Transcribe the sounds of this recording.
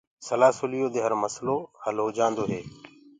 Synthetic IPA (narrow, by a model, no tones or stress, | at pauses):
səlaːsʊlijoːd̪eːɦəɾməsloːhəlɦoːd͡ʒãːnd̪oːɦeː